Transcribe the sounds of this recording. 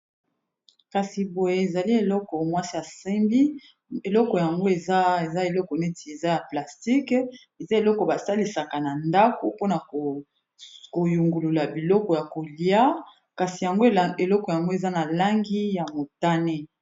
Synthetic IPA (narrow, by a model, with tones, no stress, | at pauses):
ka˨si˨bo˨je˦e˨za˨li˦e˨lɔ˦kɔ˨mwa˦si˦a˨se˦mbi˦ | e˨lɔ˦kɔ˨ja˨ŋɡo˦e˨za˦e˨za˦e˨lɔ˦kɔ˨ne˦ti˨e˨za˦ja˨pla˨sti˦k | e˨za˦e˨lɔ˦kɔ˨ba˨sa˦li˨sa˨ka˨na˨nda˦ko˨po˦na˨ko˨ | ko˨ju˨ŋɡu˨lu˨la˨bi˨lɔ˦kɔ˨ja˨ko˨li˦a˦ | ka˨si˨ja˨ŋɡo˦e˨lɔ˦kɔ˨ja˨ŋɡo˦e˨za˦na˨la˦ŋɡi˦ja˨mo˨ta˦ne˦